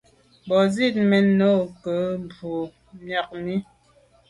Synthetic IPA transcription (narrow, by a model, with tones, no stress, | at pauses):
bɔ˨zi˦˨t̚mɛ˨nːo˦˨kə˨˦bu˨ | mja˨k̚mi˦